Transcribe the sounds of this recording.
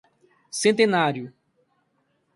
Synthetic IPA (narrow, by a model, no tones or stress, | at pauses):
sẽnt̪ẽnaɾjʊ